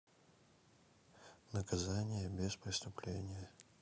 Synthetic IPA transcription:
nəkɐzanʲɪjəbʲespɾʲɪst̪ʊplʲenʲɪjə

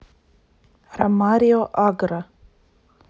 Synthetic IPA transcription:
ɾɐmaːɾjoʔaɡɾa

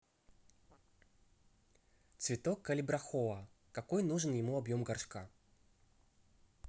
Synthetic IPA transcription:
t̪svʲɪt̪okːɐlʲɪbɾɐxoɐ | kɐkojnuʐɨnjɪmuɐbjo̞mɡɐrʂka

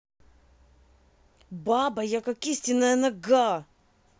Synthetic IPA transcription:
babɐjakɐkisʲtʲɪnːəjənɐɡa

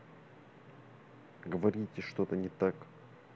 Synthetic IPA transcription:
ɡəvɐɾʲitʲɪʂt̪ot̪ənʲɪt̪ak

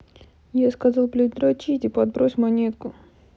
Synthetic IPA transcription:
jaskɐzɑlˠplʲɪd̪ɾot͡ɕitʲɪpɐd̪̚bɾosʲmɐnʲet̪kʊ

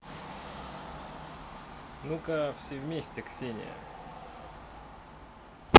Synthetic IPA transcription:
nukɐfsʲevʲmʲesʲtʲɪksʲenʲɪ̰ə̰

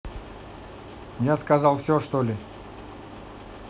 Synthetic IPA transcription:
jaskazalˠfsʲoʂt̪olʲɪ

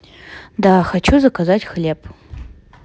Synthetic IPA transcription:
daxat͡ʃʰuzakʰazatʲxlʲepʼ

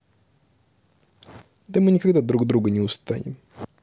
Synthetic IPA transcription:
d̪ɐmɨnʲɪkaɡd̪ad̪ɾuɡd̪ɾuɡənʲɪʊst̪a̰nʲɪ̰m

